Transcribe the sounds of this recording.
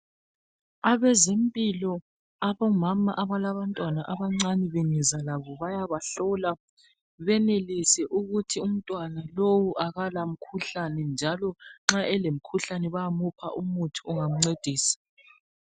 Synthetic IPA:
aβɛzempʼilɔ | aβɔmamaʔaβalaβantʼwanaʔaβaŋ͡ǀaniβenizalaβɔβajaβaɬɔla | βɛnelisɛʔuɣutʰium̩tʼwanalowuʔaɣalam̩kʰuɬanɛnd͡ʒʱalɔŋ͡ǁaʔɛlem̩kʰuɬanɛβajamupʰa̰ʔumutʰuuŋam̩ŋ͡ǀed̥ʱiːsḁ

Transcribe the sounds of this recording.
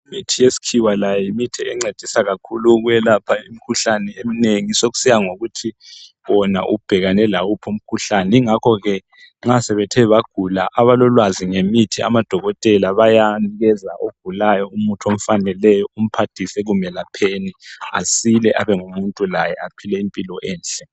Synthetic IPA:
imitʰijesi̥kʰiwalajimitʰiɛŋ͡ǀed̥ʱisaɣakʰuluɣujɛlapʰaim̩kʰuɬanɛemineŋisoɣu̥sijaŋoɣutʰi | wɔna̰ʔṵb̥ʱɛɣanɛlawupʰom̩kʰuɬanɛiŋakʰɔɣɛ | ŋ͡ǁasɛβɛtʰɛβaɡ̥ʱulaʔaβalɔlwaziŋemitʰia̰mad̥ʱɔɣɔtʼɛlaβajaniɣɛza̰ʔoɡ̥ʱulajɔumutʰom̩fanɛlɛjɔum̩pʰatʰisɛɣumɛlapʰeːnia̰silɛʔaβɛŋumuntʼulajɛapʰilɛimpʼilɔʔɛːnɬʼɛ

